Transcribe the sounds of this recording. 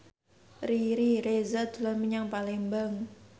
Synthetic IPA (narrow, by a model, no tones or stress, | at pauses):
riɾiɾezad̪̥ularmiɲaŋpalembəŋ